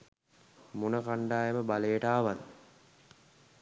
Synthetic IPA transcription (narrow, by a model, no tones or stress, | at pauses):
munəkaɳɖaːjeməbaləjeʈaːʋan